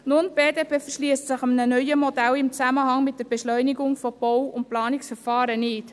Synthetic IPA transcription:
nʊnb̥eːdeːpeːfərʃliəstsɪχɑmnənœʏəmɔdælɪmt͡sæməɦɑŋmɪt̚d̥əɾb̥ɛʃlœʏniɡʊŋfɔb̥ɔwʊnt̚plɑːnɪksfəɾfɑːɾənɪːt

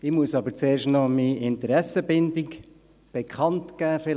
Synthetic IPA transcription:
ɪmuəsɑbəɾt͡seːɾʃtnɔmiɪntəɾɛsəbɪndɪk | b̥ekʰɑntɡ̥æːfɪ

